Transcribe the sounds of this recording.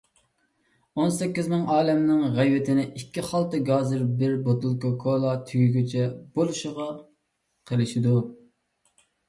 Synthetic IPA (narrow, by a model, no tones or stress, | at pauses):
onsɛkʲːizmɪŋɑːlɛmnɪŋʁæjwɪt̪ʰɪnɪʔikʲʰːiχɑlˠt̪ɨɡɑːzɨɾbɪɾbot̪ulˠkokʰolˠɑt̪ʰyɡʲyɡʲyt͡ʃʰɛb̥olˠuʃəʁɑ | qʰəlˠɪʃɪd̪u